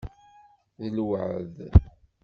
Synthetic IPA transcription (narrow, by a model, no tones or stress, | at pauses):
ðəlwəʕð